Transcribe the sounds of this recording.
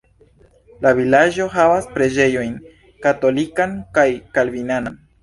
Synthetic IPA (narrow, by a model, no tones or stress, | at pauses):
lavilad͡ʒo̞ɦavaspɾe̞d͡ʒe̞jo̞jn | kato̞likankajkalvinanan